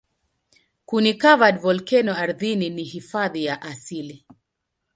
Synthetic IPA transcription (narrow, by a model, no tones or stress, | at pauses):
kunikavadvɔlkɛnɔaɾðininihifaðijaʔasili